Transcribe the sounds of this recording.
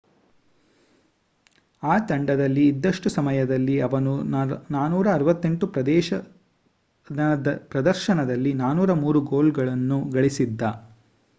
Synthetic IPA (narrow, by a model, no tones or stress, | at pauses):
aːt̪ɐɳɖɐd̪ɐlːiːd̪ːɐʂʈusɐmɐjɐd̪ɐlːiɐʋɐnunaːnuːɾɐːɾɐʋɐt̪ːe̞ɳʈupɾɐd̪ɛːʃɐ | d̪ɐpɾɐd̪ɐɾʃɐnɐd̪ɐlːinaːnuːɾɐmuːɾuɡo̞ːlɡɐɭɐnːuɡɐɭisid̪ːɐ